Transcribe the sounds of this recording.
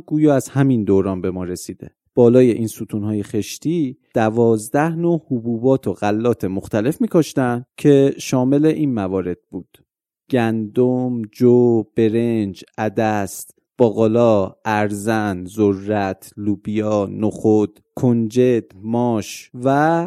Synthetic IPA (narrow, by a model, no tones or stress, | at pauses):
ɡuːjɒːæz̥hæmind̪oːɾɒːnbe̞mɒːɾe̞siːd̪̥e̞̰ | b̥ɒːlɒːje̞ʔiːnsuːt̪ʰuːnɦɒːje̞xe̞ʃt̪ʰiːd̪̥ævɒːzd̪æhnohubuːbɒːt̪ʰoɣælːɒːt̪ʰe̞moxt̪ʰæle̞fmiːkʰoʃt̪æncʰe̞ʃɒːme̞le̞ʔiːnmævɒːɾe̞d̪̥̚buːd̪̥ | ɡ̥ænd̪omd͡ʒob̥e̞ɾe̞nd͡ʒæd̪æst̪ | b̥ɒːɣolɒːæɾzænzorːæt̪ʰluːbijɒnoxod̪̥ | kʰond͡ʒe̞d̪̥mɒːʃvæ